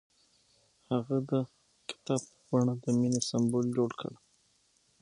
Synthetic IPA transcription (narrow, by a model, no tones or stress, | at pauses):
haɣad̪ə | kɪ̥t̪ɑbppaɳad̪əminesambold͡ʒoɽkʰə̰ɽ